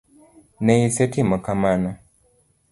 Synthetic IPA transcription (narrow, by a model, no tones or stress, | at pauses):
nɛisetimakamana